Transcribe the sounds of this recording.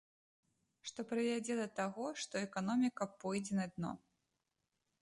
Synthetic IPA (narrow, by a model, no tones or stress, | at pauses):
ʂt̪ɔpɾɨvʲad͡zʲɛd̪ɐt̪aɣɔʂt̪ɔɛkanɔmʲikɐpɔjd͡zʲɛnɐd̪̚nɔ̰